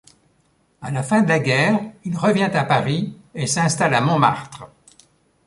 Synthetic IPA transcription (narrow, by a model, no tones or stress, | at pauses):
alafɛ̃d̪əlaɡʲɛːʁilʁəvjɛ̃t̪apaʁiesɛ̃st̪alamɔ̃ma̰ʁt̪χə